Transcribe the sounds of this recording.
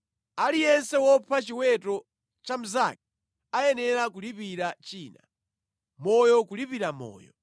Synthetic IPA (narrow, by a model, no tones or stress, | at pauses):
alijɛnsɛwɔpʰat͡ʃiwɛtɔ | t͡ʃam̩za̰k̚i̥ | ajɛnɛɾakulipiɾat͡ʃiːna̰ | mɔjɔkulipiɾamɔ̰ːjɔ